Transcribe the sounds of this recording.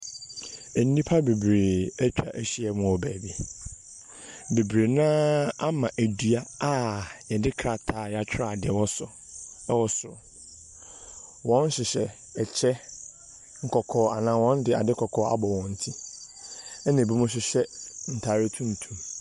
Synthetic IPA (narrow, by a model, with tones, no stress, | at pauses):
ɛ˨nː˦ĩ˦pʰa˦be˨bɾe˨æ˦t͡ɕᶣʰa̰˨ʔæ˦ɕi˦ɛ˨mʊ̃˨ɔ˨bæ˨bi˨ | be˨bɾe˨nãː˦a˦mã˨ʔæ˨du˨a˦a˦jɛ˨dɪ˦kʰɾa˨tʰaː˨jɛ˦˨a˨t͡ɕᶣa˨dɪ˨ɛ˨wɔ˦sʊ˨ | ɛ˦wɔ˦sʊ˨ | wɔ̃˦n̩˦ɕɪ˨ɕɛ˨ | ɛ˨t͡ɕʰɛ˦ | ŋ̩˨kʰɔ˨kʰɔː˨a˨nã˨˦wɔ̃˦n˦dɪ˨a̰˨dɪ˦kʰɔ˨kʰɔː˨˦a̰˨bɔ˨wɔ̃˨n̩˦tʰi˦ | ɛ˦nã˨bi˦mʊ̃˦ɕ̬ɪ˨ɕɛ˦n̩˨tʰa˨ɾɪ˦tʰũ˦n˨tʰũ˦m